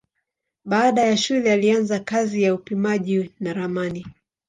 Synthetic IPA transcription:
ɓaːɗajaʃulɛalianzakazijaupimaʄinaɾamani

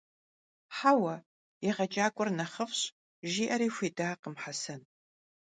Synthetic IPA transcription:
ħaːwɐ | jɪʁɐt͡ʃʼaːkʷʼʊrnɐχəfɕʼ | ʒiːʔɐɾiːfʷiːdaːqəmħasɐn

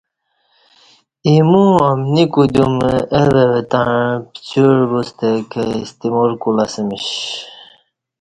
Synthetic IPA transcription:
imuamnikud̪umeɾewet̪aɻpt͡ɕuɻbust̪ekəist̪imoɾkulasəmiɕ

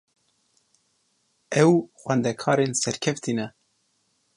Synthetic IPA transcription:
ɛwxʷɛnd̪ɛkʰɑːɾeːnsɛɾkʰɛft̪ʰiːnɛ

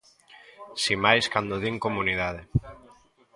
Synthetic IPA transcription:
simajskand̪oðiŋkomunið̞að̞e

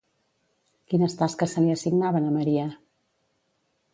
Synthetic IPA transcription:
kinəst̪askəsːəliəsiɡnaβənəməɾiə

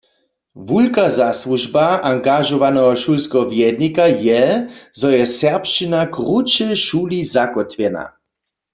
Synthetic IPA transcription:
vulkazasluʒbaʔaŋɡaʒɔʋanɛɦɔʃulskɛɦɔvjɛd̪nikajɛzɔjɛsɛʁpʃt͡ʃinakʁut͡ʃɛʃuːlizakɔt̪ʋjɛna̰

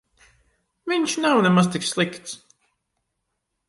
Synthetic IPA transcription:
viɲʲʃnawnɛmazt̪ikslˠikt̪s

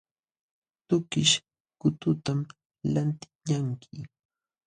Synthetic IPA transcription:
t̪ʊkɪʃ | kʊt̪ʊt̪am | lant̪ɪ̥ɲaŋkʰɪ

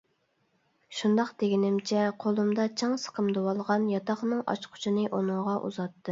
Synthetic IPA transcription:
ʃund̪ɑqd̪eɡʲinɪmt͡ʃʰɛqʰolˠumd̪ɑt͡ʃʰɑŋsə̥qʰəmd̪owɑlˠʁɑnjɑt̪ʰɑχnɨŋɑ̰t͡ʃqʰʊ̥t͡ʃʰinɨʔonʊŋʁɑʔṵzɑt̪ːɨ

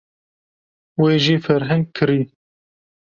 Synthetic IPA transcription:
weːʒiːfɛɾɦɛ̃ŋɡ̚kʰɨɾiː

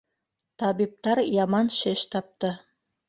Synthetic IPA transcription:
t̪ɑβip̚t̪ɑɾjɑmɑnʃɘʃt̪ɑp̚t̪ɤ

